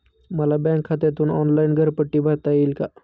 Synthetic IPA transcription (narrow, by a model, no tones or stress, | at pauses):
məlabɛ̃ŋkʰːat̪jt̪uːnɔnlainɡʱəɾpəʈːiːbʱaɾt̪ajilka